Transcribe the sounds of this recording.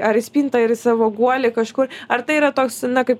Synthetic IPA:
ɐɾɪsʲpʲiːnt̪ɐɪɾsɑːʋoːɡuɔlʲɪkɐʃkʊrɐɾt̪ɐɪiːɾɐt̪oːksnɐkɐɪp

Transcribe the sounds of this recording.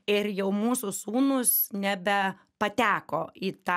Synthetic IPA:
ɪrjɛʊmuːsʊsuːnʊsnʲæbʲɛ | pɐt̪ʲæːkoːiːt̪ɑ

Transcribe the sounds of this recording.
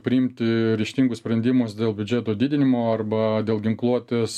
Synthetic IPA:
pʲɾʲɪɪmʲt̪ʲɪɾʲɪʃʲt̪ʲiːŋɡʊssʲpʲɾʲɛnʲd̪ʲɪmʊsd̪ʲeːlˠbʲʊd͡ʒʲeːt̪oːd̪ʲiːd̪ʲɪnʲɪmoːɐrbɐd̪ʲeːlˠɡʲɪŋklˠuɔt̪ʲeːs

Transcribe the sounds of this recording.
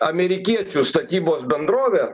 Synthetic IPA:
ɐmʲɛɾʲɪkʲiɛt͡ʃʲust̪ɐt̪ʲiːboːsbʲɛnd̪ɾoːʋʲɛ

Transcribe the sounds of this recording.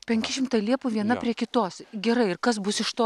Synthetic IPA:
pʲɛŋʲkʲɪʃʲɪmt̪ɐɪlʲiɛpʊʋʲiɛnɐpʲɾʲiɛkʲɪt̪oːsɡʲɛɾɐɪɪrkɐs̬bʊsɪʃt̪oː

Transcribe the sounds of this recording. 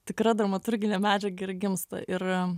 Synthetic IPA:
t̪ʲɪkɾɐd̪ɾɐmɐt̪ʊɾʲɡʲɪnʲeːmʲæːd͡ʒʲɛɡɐɪrɡʲɪmst̪ɐ̰ʔɪr

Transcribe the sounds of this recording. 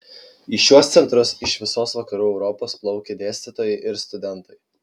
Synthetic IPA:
iʃʲuɔst̪sʲɛnt̪ɾʊsɪʃʋʲɪsoːsʋɐkɐɾuːɛʊɾɔpoːsplˠɒʊkʲed̪ʲeːsʲt̪ʲɪt̪oːjɛɪʔɪɾst̪ʊd̪ʲɛnˑt̪ɐɪ

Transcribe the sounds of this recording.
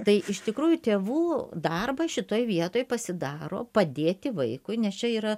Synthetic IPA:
t̪ɐɪʔɪʃt̪ʲɪkɾuːjʊt̪ʲeːʋuːd̪ɐrbɐʃʲɪt̪oːjʋʲiɛt̪oːjpɐsʲɪd̪ɑːɾo̰ːpɐd̪ʲeːt̪ʲɪʋɐɪkʊɪnʲɛst͡ʃʲɛiːɾɐ

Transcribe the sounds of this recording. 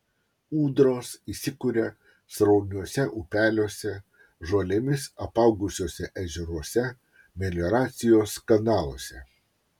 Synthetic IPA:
uːd̪ɾoːsisʲɪkuɾʲe | sɾɔʊnʲuɔsʲɛʔupʲæːlʲoːsʲɛ | ʒoːlʲɛmʲɪsɐpɐʊɡʊsʲoːsʲɛʔɛʒʲɛɾuɔsʲɛ | mʲɛlʲɔɾɑːt̪sʲɪjoːskɐnɑːlˠoɔsʲɛ

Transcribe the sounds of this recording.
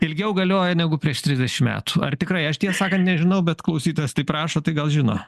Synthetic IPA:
ɪlʲɡʲɛʊɡɐlʲoːjɛnʲæɡʊpʲɾʲiɛʃt̪ʲɾʲɪzʲdʲɛʃʲɪmmʲæ̰ːt̪uɐ̰rt̪ʲɪkɾɐɪɐʃt̪ʲiɛsɑːkɐnt̪nʲɛʒʲɪnɐʊbʲɛt̪klˠɐʊsʲiːt̪oːjoːst̪ɐɪpɾɑːʃoːt̪ɐɪɡɐlˠʒʲɪno̰ː

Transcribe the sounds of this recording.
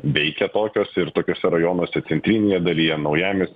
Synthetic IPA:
ʋʲɛɪkʲɛt̪oːkʲoːsɪɾt̪oːkʲoːsʲɛɾɐjoːnoːsʲɛt̪sʲɛnʲt̪ʲɾʲinʲeːjɛd̪ɐlʲijɛnɐʊjæːmʲes

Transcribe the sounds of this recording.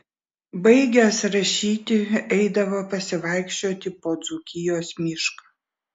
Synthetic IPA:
bɐɪɡʲɛsɾɐʃʲiːt̪ʲɪɛɪd̪ɐʋoːpɐsʲɪʋɐɪkʃʲt͡ʃʲoːt̪ʲɪpoːd̪zukʲɪjoːsmʲɪʃkɐː

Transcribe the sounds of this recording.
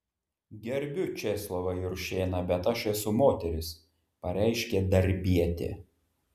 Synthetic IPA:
ɡʲɛɾʲbʲʊt͡ʃʲɛslˠoʋɐɪɾʃʲeːnɐbʲɛt̪ɐʃɛsʊmoːt̪ʲɛɾʲɪs | pɐɾʲæˑɪʃʲkʲɛd̪ɐɾʲbʲiɛt̪ʲḛː

